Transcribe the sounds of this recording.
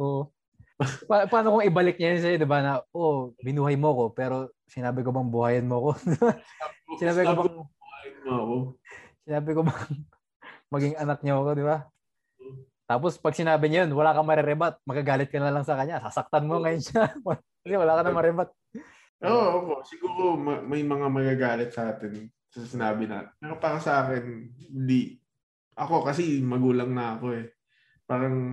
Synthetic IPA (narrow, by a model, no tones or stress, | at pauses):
ʔoːʔo | papaːnokoŋɪbɐlɪk̚ɲɐjonʃɐjɐd̪ɪbanɐʔobɪnuːhɐjmoɐko̞pɛːɾo̞ | sɪnaːbɪkobɐŋbʊhaːjɐnmoɐko̞d̪ɪbasɪnaːbɪkobɐŋ | sɪnaːbɪkobɐŋ | mɐɡiŋɐnɐk̚ɲaɐko̞d̪ɪba | t̪aːp̬ospɐɡ̚sɪnaːbɪɲɐjonwɐlaːkɐmɐɾɛɾɛbat̪̚mɐɡaɡaːlɪt̪̚kɐnɐlɐŋsɐkɐɲːasasɐk̚t̪anmoŋɐjonʃɐwɐ | kɐsɛwɐlaːkɐnɐmɐɾɛbat̪̚ | ʔoʔoːpo̞ʔsɪɡuːɾo̞mɐmɐjmɐŋamɐɡaɡaːlɪt̪̚sɐʔaːt̪ɛn | sɐsɪnaːbɪna̰ːt̪pɛːɾopaːɾɐsɐʔaːkɛnɪnd̪i | ʔɐko̞kɐsɛmɐɡuːlɐŋnɐɐko̞ɛ | paːɾɐŋ